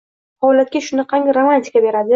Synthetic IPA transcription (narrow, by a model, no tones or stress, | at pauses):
hɒlat̪̚kʲaʃʊnɪqʰɑŋʲɪɾomanʲt̪ʲi̥kʰabe̞ɾad̪ɪ